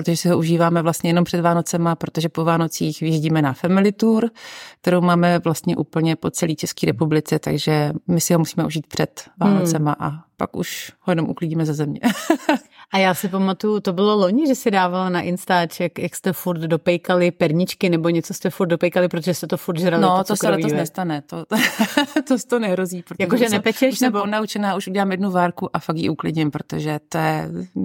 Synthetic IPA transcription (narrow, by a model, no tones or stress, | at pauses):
ppɾot̪oʒɛsɪɦoʔuʒiːvaːmɛvlast̪ɲɛjɛnompr̥ɛdvaːno̞t͡sɛmapɾo̞t̪o̞ʒɛpovaːno̞t͡siːxvɪjɛzɟiːmɛnafɛmɪlɪt̪uːɾk̚t̪ɛɾowmaːmɛvlast̪ɲɛʔuːpl̩ɲɛpo̞t͡sɛliːt͡ʃɛskiːɾɛpublɪt͡sɛt̪a̰ɡʒɛmɪsɪɦomusiːmɛʔuʒiːt̪̚pr̥ɛt̪vaːnot͡sɛmaʔapa̰kʔṵʃhojɛno̞mʔṵklɪɟiːmɛzazɛmɲɛ̰ | ʔajaːsɪp̬amat̪ujʊt̪o̞bɪloloɲɪʒɛsɪdaːvalanaʔɪnst̪aːt͡ʃjakjakst̪ɛfuɾt̪do̞pɛjkalɪpɛɾɲɪt͡ʃkɪnɛbo̞ɲɛt͡sost̪ɛfuɾt̪do̞pɛjkalɪpɾot̪oʒɛst̪ɛt̪ofuɾt̪ʒɾalnott̪osɛoainɛst̪anɛt̪o | t̪ost̪onɛɦɾoziːpɾotjakokoʒɛnɛpɛt͡ʃɛʃʃɛboonaut͡ʃɛnaːuʃuɟɛlaːmjɛdnuvaːɾkuʔafakjḭʔuklɪdɲɪmpɾot̪oʒɛt̪ojɛ